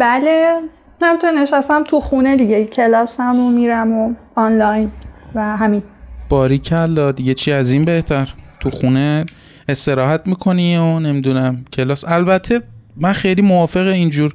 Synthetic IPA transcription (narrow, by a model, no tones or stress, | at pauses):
bæle | næmit̪ʰuneneʃæst̪æmt̪ʰuxuned̪iɟecʰelɒːsæmomiːɾæmo | ɒnlɒjnvæɦæminb̥ɒːɾicʰæɾlɒːd̪iɟe̞t͡ʃʰiːæzinbe̞ht̪ʰæɾt̪ʰuxune | est̪e̞ɾɒːɦæt̪miːkʰo̞nione̞miːd̪unæmcʰe̞lɒːsælbæt̪ʰːemænxejliːmovɒːfe̞ɣeind͡ʒuːɾ